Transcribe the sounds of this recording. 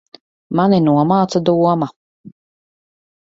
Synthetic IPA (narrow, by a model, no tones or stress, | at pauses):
maninuɔmaːt̪sad̪uɔma